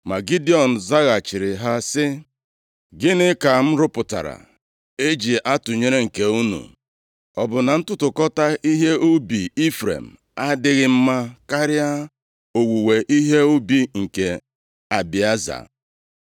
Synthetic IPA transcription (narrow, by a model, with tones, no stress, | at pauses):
ma˨ɡi˦di˦ɔ˨n̩˨za˦ɣa˨t͡ʃɪ˨ɾɪ˨ɦa˦sɪ˦ | ɡɪ˦nɪ˦ka˨m̩˦ɾʊ˦pʊ˨ta̰˨ɾa̰˨ | e˦d͡ʒi˨ʔa˦tʊ˨ɲe˦ɾe˦ŋ̩˨ke˨u˦nṵ˨ | ɔ˨bʊ˨na˨n̩˦tʊ˦tʊ˨kɔ˦ta˦ʔi˦ɦe˦o˦bi˨i˦fɾḛ˨m̩˨ | a˦dɪ˦ɣɪ˦m̩˦ma˦ka˦ɾɪ˦a˦ | o˨wu˨we˨ʔi˦ɦe˦o˦bi˨ŋ̩˨ke˨ | a˨bi˨a˦za̰˨